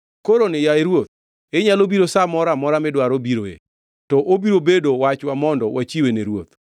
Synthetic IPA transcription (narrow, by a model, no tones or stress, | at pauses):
koɾonɛjaeɾwot̪̚ | eɲalobiɾosamɔɾamɔɾamɛdwaɾobiɾo̰ḛ | tɔʔobiɾobedowat͡ʃwamɔndɔwat͡ʃiweneɾwot̪